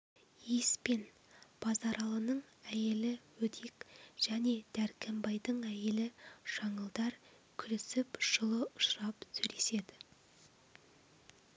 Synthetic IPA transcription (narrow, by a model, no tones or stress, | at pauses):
jespe̞n | b̥ɑzɑɾɑlˠənəɴ | æje̞lɪwɵd̪ʰekʒ̥æne̞d̪̥æɾkʲʰɪmbɑjd̪əɴæje̞lɪʒ̥ɑɴəlˠd̪ɑɾ | kʲʰʏlɪsɪpʒ̥əlˠəʊʃɾɑpsʰɵɾese̞d̪ɪ